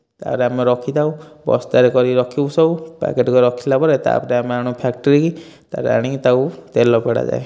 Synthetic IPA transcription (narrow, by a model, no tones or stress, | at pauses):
t̪a̰ɾeameɾɔkʰid̪aũbɔ̰st̪aɾekɔɾiɾɔkʰiusɔwpa̰keʈkɔɾɔkʰilapɔɾet̪a̰pɔɾeameaɽ̃upʰakʈɔɾiki | t̪a̰ɾḛa̰ɽ̃it̪awt̪elɔpeɽa̰d͡ʒa̰e